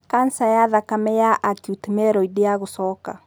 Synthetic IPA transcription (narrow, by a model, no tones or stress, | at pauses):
kansajaðakamɛjaʔatiutemɛɾɔideaɣosɔːka̰